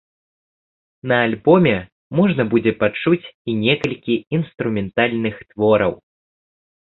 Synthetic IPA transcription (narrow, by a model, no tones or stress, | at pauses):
nɐːlʲbɔmʲɛ | mɔʐnɐbud͡zʲɛpat͡ʂut͡sʲinʲɛkɐlʲkʲiinst̪ɾumʲɛnt̪alʲnɨxt̪vɔɾɐw